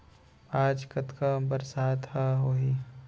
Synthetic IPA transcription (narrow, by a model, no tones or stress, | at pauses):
aːd͡ʒkɐt̪kabəɾsaːt̪haɦoːɦi